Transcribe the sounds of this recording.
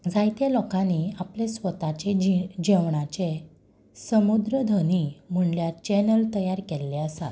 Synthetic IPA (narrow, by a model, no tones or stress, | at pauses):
d͡zajt̪elɔkãniaplesʋət̪at͡ɕed͡ʑɛʋɳat͡ɕe | səmud̪ɾəd̪ʱənim̤əɳljaɾt͡ɕɛnəlt̪əjaɾkelːɛəsa̰t̪